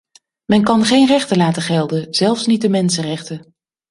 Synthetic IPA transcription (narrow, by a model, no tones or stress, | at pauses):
mɛnkɑnχejnrɛχtəlaːtəχɛlˠdənz̥ɛlˠfsnit̚dəmɛnsərɛχtə